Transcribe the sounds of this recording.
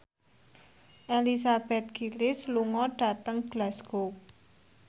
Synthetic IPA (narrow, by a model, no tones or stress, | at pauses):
ʔelis̬ab̥ɛt̪̚ɡ̥ilɪsluŋɔɖ̥a̤t̪əŋɡ̥lasko